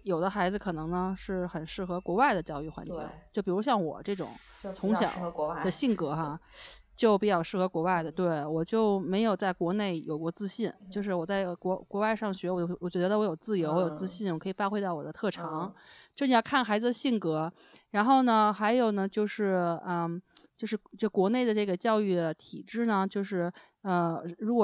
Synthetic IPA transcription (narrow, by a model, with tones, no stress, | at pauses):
jo˨˩ʊd̪ə˦xa˧˥ɪd͡zɹ̩˧kʰɤ˨˩nɤ˧˥ŋnə˧ʂɻ̩˥˩xə˨˩nʂɻ̩˥˩xɤ˧˥kwɔ˧˥wa˥˩ɪd̪ə˩t͡ɕjɑ˥˧ʊy˥˩xwa̰˧˥nt͡ɕḭ˥˦t͡ɕjo˥˩ʊpi˨˩u˧˥ɕjɑ˥˩ŋwɔ̰˨˩ʈ͡ʂɤ˥˩ʈ͡ʂʊ̰˨˩˦ŋ | t͡sʰʊ˧˥ŋɕjɑ̰˨˩˦d̪ə˧ɕi˥˩nkɤ˧˥xa˧t͡ɕjo˥˩ʊpi˧˥t͡ɕjɑ˥˩ʊʂɻ̩˥˩xɤ˧˥kwɔ˧˥wa˥˩ɪd̪ə˩t̪we˥˩ɪwɔ˨˩t͡ɕjo˥˩ʊme˧˥ɪjo˨˩ʊt͡sa˥˩ɪkwɔ˧˥ne˥˩ɪjo˨˩ʊkwɔ˥t͡sɹ̩˥ɕi˥˩nt͡ɕjo˥˧ʊʂ̬ɻ̩˥˩wɔ˨˩t͡sa˥˩ɪkwɔ˧˥kwɔ˧˥wa˥˧ɪʂɑ˥˩ŋɕɥɛ˧˥wɔ˨˩˥wɔ˨˩t͡ɕɥɛ˧˥d̪d̪ə˧wɔ˧˥jo˨˩ʊt͡sɹ̩˥˩jo˧˥ʊwɔ˧jo˨˩ʊt͡sɹ̩˥ɕi˥˩nwʰɤ˧˥i˨˩pa˥˧˥xwɪt̪ɑ˥˩ʊwɔ̰˨˩d̪ə˦t̪ʰɤ˥˩ʈ͡ʂʰɑ˧˥ŋt͡ɕo˥˩˧n˨˩ɑ˥˩kʰa˥˩nxa˧˥ɪd͡zɹ̩˧d̪ə˧ɕi˥˩nkɤ˧˥ | ɻa˧˥nxo˥˩ʊnə˩xa˧˥ɪjo˨˩ʊnə˩t͡ɕjo˥˧ʊʂɻ̩˥˩ə˧˩t͡ɕjo˥˧ʊʂɻ̩˥˩t͡ɕo˥˧˩kwɔ˧˥ne˥˩ɪd̪ə˩ʈ͡ʂɤ˥˩ɡə˩t͡ɕjɑ˥˧ʊy˥˩d̪ə˩t̪ʰḭ˨˩ʈ͡ʂɻ̩˥˩nə˩t͡ɕjo˥˧ʊʂɻ̩˥˩ | ə˧ɻu˧˥kwɔ˨˩